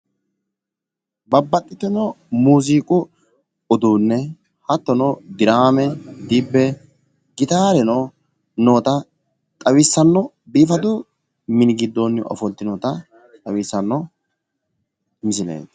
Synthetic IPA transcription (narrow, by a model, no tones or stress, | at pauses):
bɐbːɐt̪ʼːɪt̪ːɛnɔ | muːziːkʼʊ | ɔd̪uːnːɛ | hɐt̪ːɔnɔd̪ɪɾaːmɛd̪ibːɛ | ɡɪt̪aːɾɛno | noːt̪ɐ | t̪ʼɐwɪsːɐnːɔ | biːfɐd̪ʊ | mɪnɪɡɪd̪ːoːnːʔɔ̰fɔlt̪ːɪnɔːt̪ɐ | t̪ʼɐwisːɐnːɔ | mɪsɪnḛːt̪